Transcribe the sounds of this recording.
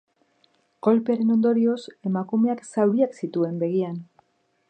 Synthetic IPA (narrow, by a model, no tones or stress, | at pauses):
ɡ̥o̞lpeaɾe̞no̞nd̪o̞ɾio̞se̞makume̞aksawɾiaksit̪ue̞mbe̞ɣ̞ian